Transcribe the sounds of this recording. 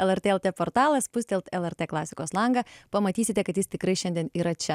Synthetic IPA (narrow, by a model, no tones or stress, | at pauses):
ɛlˠɛɾʲt̪eːɛlˠʲt̪ʲeːpoɾt̪ɑːlˠɐspʊsʲt̪ʲɛlʲˠt̪ɛlˠɛɾʲt̪ʲeːklˠɑːsʲɪkoːslˠɐŋɡɐpɐmɐt̪ʲiːsʲɪt̪ʲɛkɐt̪jɪst̪ʲɪkɾɐɪʃʲɛnd̪ʲɛniːɾɐt͡ʃʲɛ